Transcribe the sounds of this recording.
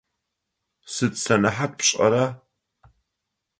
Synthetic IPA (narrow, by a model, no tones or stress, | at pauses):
sɨtsɐnɐħat̚pɕʼɐ̰ɾaː